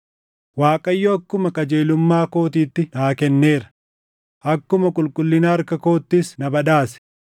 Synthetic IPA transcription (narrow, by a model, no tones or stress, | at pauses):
waːkʼɐjːɔɐkːʊmɐkʼɐd͡ʒe̞ːlʊmːaːko̞ːt̪iːt̪ːɪnaːkɛnːe̞ːɾɐ̥ | ʔɐkːʊmɐkʼʊlkʼʊlːɪnaɐɾkɐko̞ːt̪ːɪsnɐbɐᶑaːsɛ̥